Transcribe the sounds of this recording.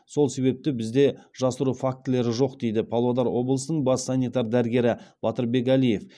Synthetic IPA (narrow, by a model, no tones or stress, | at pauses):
so̞lˠse̞βe̞p̚t̪ɪbɪzd̪e̞ʒ̥ɑsəɾufak̚t̪ɪle̞ɾɪʒo̞qd̪e̞jd̪ɪpʰɑlˠod̪ɑɾwo̞blˠəsənəɴbɑsɑnʲijt̪ɑɾd̪æɾɡʲe̞ɾɪb̥ɑt̪əɾbe̞kælije̞f